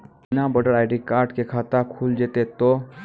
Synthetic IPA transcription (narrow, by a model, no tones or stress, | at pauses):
nabɔɖəɽaːɪɖikaːɾʈkekʰat̪akʰuld͡ʒet̪et̪o